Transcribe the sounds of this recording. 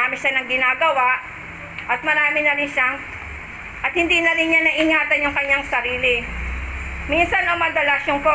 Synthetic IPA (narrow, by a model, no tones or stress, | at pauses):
aːmɪʃanɐŋɡɪnaːɡɐwaʔ | ʔɐt̪̚mɐɾaːmɪnɐɾɪnʃaŋ | ʔɐt̪̚hɪnd̪iːnɐɾɪnɲanɐʔɪɲaːt̪ɐnːʊŋkɐɲːaŋsɐɾiːlɪ | minsɐnɐŋmɐd̪ɛlɐʃoŋko